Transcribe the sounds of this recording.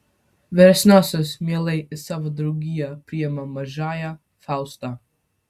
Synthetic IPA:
vɛɾɛsnasɔsmɛlˠɛjɪsavad̪ɾuɡijapɾiɛmamaʒaja | fawst̪a

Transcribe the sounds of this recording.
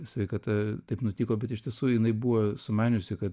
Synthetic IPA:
sʋʲɛɪkɐt̪ɐt̪ɐɪpnʊt̪ʲiːkoːbʲɛt̪ɪʃt̪ʲiɛsuːɪnɐɪbuːʋoːsʊmɑːnʲʊsʲɪkɐt̪

